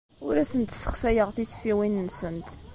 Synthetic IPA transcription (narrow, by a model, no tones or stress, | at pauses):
ʊɾæsənt̪sə̥χsæjəʁθisfiwinnsənt̪